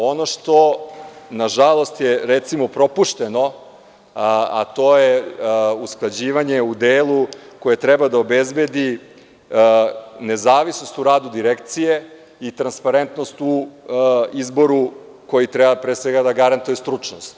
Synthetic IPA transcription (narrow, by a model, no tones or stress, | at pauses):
o̞noʃt̪o̞ | naʒalˠo̞st̪jeɾet̪simo̞pɾo̞puʃt̪eno̞ | a̰t̪o̞jeusklˠad͡ʑiːʋaɲe̞ud̪eːlˠukoje̞t̪ɾɛbad̪aobezbe̞d̪i | ne̞zaːʋisnost̪uɾaːd̪ud̪iɾekt̪sije̞ | it̪ɾanspaɾent̪no̞st̪u | izbo̞ɾu | ko̞jit̪ɾɛbapɾeːsʋeɡad̪aɡaɾant̪ujest̪ɾut͡ʂnost̪